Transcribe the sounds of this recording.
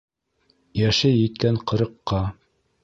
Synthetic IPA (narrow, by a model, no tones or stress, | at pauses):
jæʃɘjɘ̆t̪̚kæɴqɤ̆ɾɤ̆qːɑ